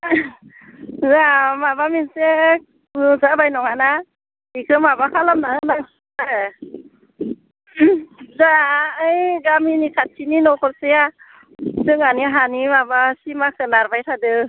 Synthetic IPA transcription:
zamabaminse | ɯzabajnɔŋana | ikʰɯmabakʰalamnaɯnaŋ | aɾɯ | zaɯjɡaminikʰat̚ʰininɔkʰɔɾseja | sɯŋaniɦanimabasimakʰɯnaɾbajtʰadɯ

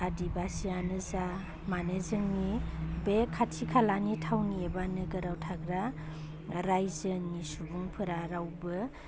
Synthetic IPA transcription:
adibasianɯza | manezɯŋnibekʰːatʰikʰalanitʰawniebanɯɡɯɾawtʰaɡɾa | ɾajzɯnisubuŋpʰɯɾaɾawbɯ

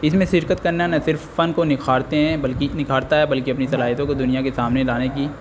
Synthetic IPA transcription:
ɪsmẽʃɪɾkət̪kɐɾnanɐsɪɾfːɐnkonɪkʰaːɾt̪eɦɛ̃bɐlkinɪkʰaːɾt̪aɦɛbɐlkiɐpnisɐlaːɦɪt̪õkod̪ʊnijakesaːmnelaːnekiː

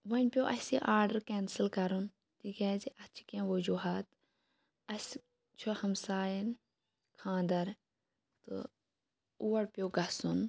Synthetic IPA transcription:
ʋɐnʲpʲjoːʔɐsiʔaːɾɖəɾkeːnsɨlkɐɾun | t̪ikɐːziʔɐt͡ʃʰi̥kẽʋɐd͡ʒuːɦaːt̪ | ɐsʲ | t͡ʃʰohɐmsaːjin | kʰãːnd̪ɐɾ | t̪ɨ̰ | uːɐɽpʲjoːɡɐsun

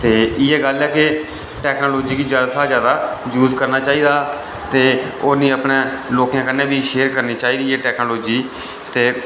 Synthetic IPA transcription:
t̪eːɪːɛːɡəlɛːkɪ | ʈɛːknoːloːd͡ʒiːkid͡ʒəd̪saːzjaːd̪aːjuːzkəɾnaːt͡ʃaːiːd̪aː | t̪eːoːnĩːəpnẽːloːkijãːkənːẽːbʱiːʃeːɾkəɾniːt͡ʃaːiːd̪iːɛːʈɛːknoːloːd͡ʒiː | t̪eː

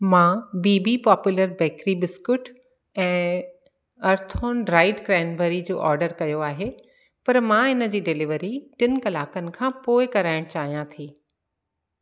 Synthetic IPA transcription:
mãːbiːbipɔːpjʊːləɾbɛːkɾibɪskʊʈ | ɛ̃ː | ɐɾt̪ʰoːnɾaːɪɖkɡɾɛːɪnbəɾid͡ʑo̰ːʔɔ̰ːɾɖəɾkɐjoaːɦe | pɐɾmãːɪnə̆d͡ʑiːɖɪlɪʋəɾiʈɪnɪ̆kɐlaːkənɪ̆kʰãːpoːɪkɐɾaːɪɽ̃t͡ɕaːɦijãt̪ʰiː

